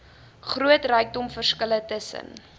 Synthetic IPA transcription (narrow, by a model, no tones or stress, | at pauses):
χruətrəjk̚dɔmfərskələtəsə̰n